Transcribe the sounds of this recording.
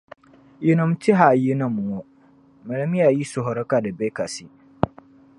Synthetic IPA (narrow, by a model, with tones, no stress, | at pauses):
ji˨nʊ̃˨m˦ti˦ɦa˨ji˦nã˨m˨wo˨ | mɐ˨la˦mi˦ja˨ji˦sʊ˨ɦɔ˨ɾɔ˦ka˨dɛ˨bɛ˦ka˨si˦